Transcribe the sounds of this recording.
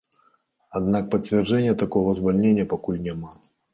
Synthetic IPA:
ad̪nak̚pɐt͡sʲvʲɛrd͡ʐɛnʲːjɐt̪akɔɣɐzvalʲnʲenʲːjɐpakulʲnʲɛma

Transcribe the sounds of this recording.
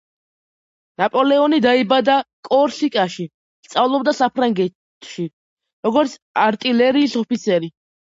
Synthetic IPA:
napʼɔlɛɔnid̪aibad̪akʼɔɾsikʼaʃi | st̪sʼavlˠɔbd̪asapʰɾaŋɡɛtʰʼ | ʃi | ɾɔɡɔɾt̪sʰaɾt̪ʼilɛɾiːsɔpit̪sʰɛɾi

